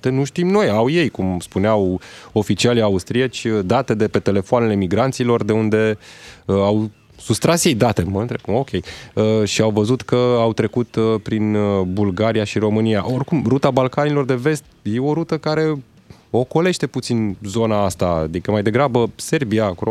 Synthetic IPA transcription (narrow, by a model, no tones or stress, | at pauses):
t̪enuʃt̪imno̞jawje̞jkumspuneawo̞fit͡ʃialiaust̪ɾiat͡ʃʲəd̪at̪e̞d̪e̞pe̞t̪e̞le̞foanele̞miɡɾant̪silo̞rd̪e̞und̪e̞əaw | sust̪ɾasje̞jd̪at̪e̞məɨnt̪ɾeb̚kumo̞kʲʰe̞jəʃiawvəzut̪kəawt̪ɾe̞kut̪pɾinbulɡaɾijaʃiɾo̞mɨniaʔo̞rkumɾut̪abalkanilo̞rd̪e̞ve̞st̪̚jeo̞ɾut̪əkaɾe̞ | o̞ko̞le̞ʃt̪e̞put̪sinzo̞naast̪a̰d̪ikəmajd̪e̞ɡɾabəse̞rbiakuɾ